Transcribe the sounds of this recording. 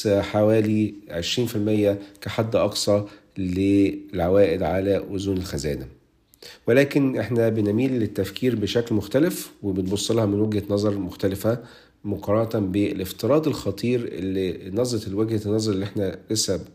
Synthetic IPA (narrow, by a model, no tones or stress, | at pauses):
ħawæːliʕeʃɾiːnfilmejːækæħad̪ːʔɑqsˤɑ | lelʕawæːʔɪd̪ʕalæʔʊzuːnelxæzæ̰ːd̪æ | welæːkenʔeħnæbenmiːlːet̪ːæfkiːɾbeʃæklmoxt̪ælefwebenbosˤːlɑhɑmenwæɡhætnɑzˤɑɾˤmoxt̪ælɪfæ | moqɑɾˤːɑnɑt̪æbeeleft̪ɨɾˤɑːd̪elxɑt̪ˤʰiːɾḛlːinɑzˤɾɑt̪lweɡhænːɑzˤɑɾˤeliʔeħnælesæb